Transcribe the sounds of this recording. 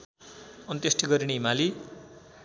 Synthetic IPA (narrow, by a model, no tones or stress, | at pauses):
ʌnt̪esʈiɡʌɾineimali